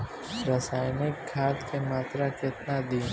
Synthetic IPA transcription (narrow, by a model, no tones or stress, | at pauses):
ɾəsaːjnekɡʰʱaːt̪kemaːt̪ɾakɪt̪nad̪iːn